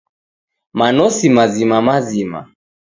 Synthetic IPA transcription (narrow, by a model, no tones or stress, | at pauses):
manɔsimazimamazima̰